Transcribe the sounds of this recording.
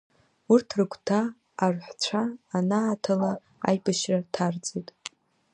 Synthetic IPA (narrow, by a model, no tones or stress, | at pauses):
urtʰrɨkʷʰʼtʰaː | rħʷt͡ɕʷʰaːnaːtʰala | a̰jbɨʃratʰard͡zetʼ